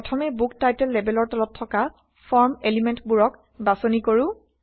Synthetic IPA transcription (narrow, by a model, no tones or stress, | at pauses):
ɔtʰɔmɛbuktajtɛlːebɛlɔɹtɔlɔtʰːɔka | fʰɔɹmelimɛntbuɹɔk | basonikoɹʊ̃